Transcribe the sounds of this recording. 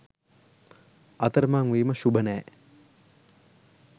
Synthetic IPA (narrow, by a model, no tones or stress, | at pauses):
ɐt̪əɾəmaːŋuiːməʃubənɛː